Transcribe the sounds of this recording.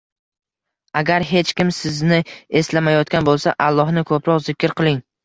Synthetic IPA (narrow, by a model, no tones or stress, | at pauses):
aɡʲaɾɦe̞t͡ʃkʲɪmsɪznɪe̞slamajɒt̪kʲanbolˠsaʔalˠːɒhnɪkʰopɾɒqzɪkʲɾqʰɨlˠɪŋ